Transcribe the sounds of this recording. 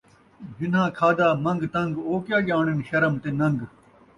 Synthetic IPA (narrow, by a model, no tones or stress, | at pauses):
d͡ʑinãːkʰaːd̪aːmɐ̃ŋɡt̪ɐŋɡoːkjaːɡaːɳenɕɐɾɐmt̪enɐ̃ŋɡ